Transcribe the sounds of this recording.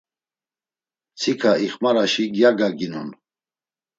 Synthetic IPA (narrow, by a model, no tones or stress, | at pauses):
t͡sʰikʰaiχmaɾaʃiɡjaɡaɡinṵn